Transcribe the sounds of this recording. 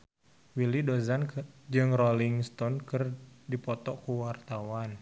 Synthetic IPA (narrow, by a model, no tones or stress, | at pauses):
wilidozand͡ʒɨŋrɔliŋst̪ɔnkɨrdipɔt̪ɔkuwart̪awan